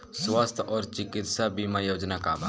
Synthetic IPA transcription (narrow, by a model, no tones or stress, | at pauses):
swast̪ʰɔːɾt͡ʃɪkɪt̪sabimajoːd͡ʒnakabʱa